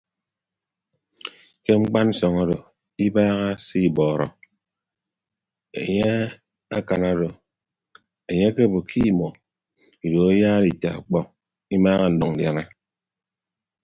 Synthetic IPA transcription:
ke˦ŋ͡m̩˦k͡pa˦n̩˦sɔ˨ŋa˦do˨ | i˦baː˦ɣa˦si˦˨bɔː˨ɾɔ̰˨ | ḛ˨ɲe˦ | a˦ka˨na˦do˨ | e˨ɲe˦ke˦˨bo˨kʰi˦˨mɔ˨ | i˨do˨a˦jaː˦ɾi˨ta˨k͡pɔ˦ŋ̚ | i˦maː˦ɣa˦n̩˨dɔ˨ŋ̩˨dja˨na˦

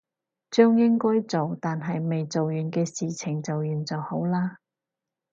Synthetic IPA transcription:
t͡ʃœː˥ŋjɪ˥ŋkɔː˥jt͡so˨wt̪aː˨nɦɐ˨jme˨jt͡so˨wjyː˨nkɛː˧siː˨t͡sʰɪ˨˩ŋt͡sɐ˨wjyː˨˩nt͡sɐ˨who˨˥wlaː˥

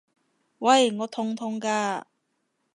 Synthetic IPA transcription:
wɐ˥˧˨jŋɔː˨˧t̪ʰʊ˧ŋt̪ʰʊ˧˥ŋkaː˧

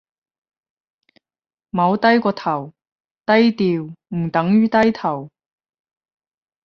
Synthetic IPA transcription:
mɐ˨˧wt̪ɐ˥jkɔː˧t̪ʰɐ˨˩w | t̪ɐ˥jt̪iː˧wm̩˨˩t̪ɐ˨˥ŋjyː˥t̪ɐ˥jt̪ʰɐ˨˩w

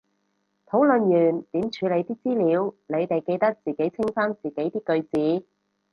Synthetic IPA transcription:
t̪ʰo˨˥wlɵ˨njyː˨˩nt̪iː˨˥mt͡ʃʰyː˨˧le˨˧jt̪iː˥t͡siː˥liː˨˧wle˨˧jt̪e˨jke˧jt̪ɐ˥k̚t͡siː˨ke˨˥jt͡sʰɪ˥ŋfaː˥nt͡siː˨˩ke˨˥jt̪iː˥kɵ˧ɥt͡siː˨˥

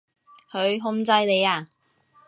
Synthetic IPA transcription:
hʰɵ˨˧ɥɦʊ˥ŋt͡sɐ˧jne˨˧jaː˧˩

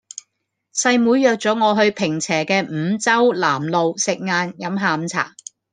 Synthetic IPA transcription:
sɐ˧jmuː˨˥jːœː˨˧k̚t͡sɔː˨˥ŋɔː˨˧ɦɵ˧ɥpʰɪ˨˩ŋt͡sʰɛː˨˩kɛː˧m̩ː˨˧t͡sɐ˥wlaː˨˩mlo˨wsɪ˨k̚ŋaː˧njɐ˨˥mɦaː˨˧˨mt͡sʰa̰ː˨˩

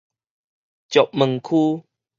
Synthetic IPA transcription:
t͡ɕjɔ˨ʔ̚mə˨˩ŋkʰu˦

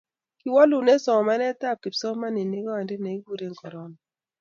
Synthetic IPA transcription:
ki˨wɔ˦lu˨ne˦sɔ˨ŋ˨ma˦nɛ˦ta˦˨p̚ki˨psɔ˦ma˦ni˨ne˦ɡɔ˦a˨ndɪ˦ne˨i˦ɡu˦ɾe˦ŋ˨kɔ˨ɾɔ˦nɔ˨

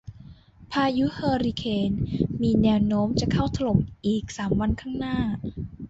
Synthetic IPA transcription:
pʰaː˧ju˦˥hɤː˧ɾi˧kʰeː˧nmiː˧nɛː˧wnoː˦˥mt͡ɕa˨˩kʰa˥˩wt̪ʰa˧lo˨˩mʔiː˨˩k̚saː˩˦mwa˧nkʰaː˥˩ŋnaː˥˩

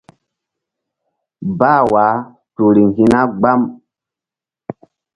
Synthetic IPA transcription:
ba˦˨wa˨˦ | to˨ɾi˨ŋ˨ɡi˦na˦ɡ͡ba˦m

